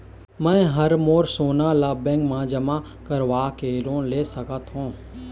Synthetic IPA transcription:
mɛ̃ːɦəɾmoːɾsoːnalaːbẽːŋɡmãːd͡ʒəmã | kəɾʋaːkeːlõːleːsəkət̪ɦõː

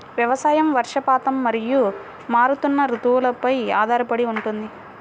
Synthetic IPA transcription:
ʋjɐʋɐsaːjɐmʋɐɾʂɐpaːt̪ɐmːɐɾiju | maːɾut̪unːɐɾut̪uʋulɐpɐja̰ːd̪ʱaːɾɐpɐɽiuɳʈund̪i

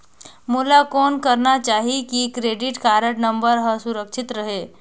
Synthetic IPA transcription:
mulakɔːnkəɾnat͡ʃaːɦikikɾeːɖɪʈkaːɾəʈnə̃mbəɾɦəsʊɾəkʃɪt̪ɾəɦeː

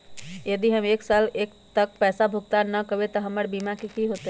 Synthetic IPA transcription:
jəd̪iɦəmeksalekt̪ək̚pɛsabʱuɡ̚t̪anəkəbet̪əɦəməɾbimakekiɦot̪

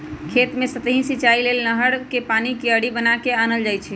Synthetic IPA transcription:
kʰet̪mesət̪əɦĩsit͡ʃailelnəɦəɽkepanikeəɽibənakeanəld͡ʒajt͡ʃʰɛ

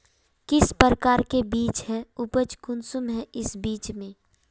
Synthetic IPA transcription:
kɪspəɾəkaːɾkebiːt͡ʃɦɛʊpət͡ʃkʊnsʊmɦɛʔɪsbiːt͡ʃmẽː

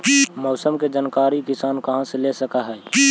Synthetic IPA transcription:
mɔːsəmked͡ʒankaːɾikɪsaːnkəɦãselesəkaɦɛː

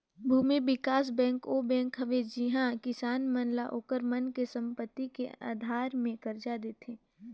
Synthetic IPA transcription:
bʱuːmiʋɪkaːs̬bɛ̃ːŋkobɛ̃ːŋkɦɐʋed͡ʒɪɦãkɪsaːnmənlaʔoːkəɾmənkesɐ̃mpət̪ːikeʔa̰ːd̪ʱaːɾmẽkɐɾd͡ʒad̪eːt̪ʰeː

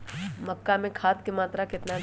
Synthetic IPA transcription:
məkːamẽkʰaːt̪̚kemaːt̪ɾakɪt̪na

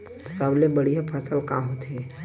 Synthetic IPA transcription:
saʋlebəɽijapʰəsəlkãːɦot̪e

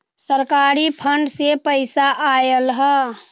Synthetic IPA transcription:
səɾkaːɾipʰəɳɖsepəɪsaʔajəlɦə

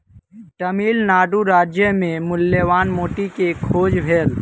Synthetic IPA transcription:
ʈəmiːlnaːɖuɾaːd͡ʒjəmẽmʊljəʋaːnmoːʈikekʰoːd͡ʒbʱeːl

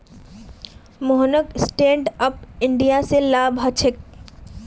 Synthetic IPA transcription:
moɦnəksʈẽːɳɖəp̚ɪ̃ɳɖijaselaːbʱɦɐt͡ʃʰɪk̚

